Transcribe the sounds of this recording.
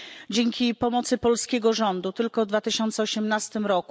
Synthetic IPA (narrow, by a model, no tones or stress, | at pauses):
d͡ʑɛŋkʲipɔmɔt̪sɘpɔlskʲɛɡɔʐɔnd̪ut̪ɘlkɔvd̪vat̪ɘɕɔnt̪sɛɔɕɛmnast̪ɘmɾɔku